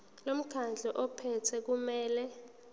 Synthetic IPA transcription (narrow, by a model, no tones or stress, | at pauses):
lom̩ɡ̥ʰand͡ɮʱɛʔɔpʰɛtʰɛk̬umɛːlɛ